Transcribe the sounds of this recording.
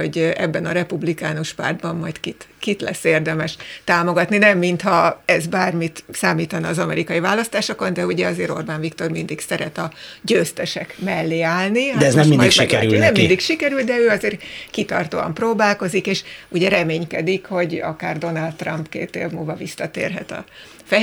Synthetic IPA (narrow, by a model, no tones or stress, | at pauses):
oɟɛbːɛnɒɾɛpublikaːnoʃpa̰ːrd̪bɒmːɒjt̪kit̪kit̪lɛ̰sːeːrd̪ɛmɛʃt̪aːmo̞ɡɒt̪ninɛmːint̪hɒɛzbaːrmit̪saːmiːt̪ɒnːzɒmɛɾikɒjivaːlːɒst̪aːʃoko̞nd̪ɛuɟɛɒzeːɾo̞̰rbaːnvikt̪o̞rmind̪iksɛɾɛt̪ɒɟøːst̪ɛʃɛkmɛlːeːaːlniɦad̪ɛɛznɛminmdijʃmikɛɾnɛmːind̪ikʃikɛɾylt̪̚d̪ɛøːɒzeːrkit̪ɒ̰rt̪oːɒ̰mproːbaːlko̞zikeːʃuɟɛɾɛmeːɲkɛd̪ikho̞ɟɒ̰ka̰ːrd̪o̞nald̪t̪ːrɒmpkḛːt̪ḛːvmuːlvɒvisːɒt̪ḛːrɦɛ̰t̪ɒ̰ | fɛ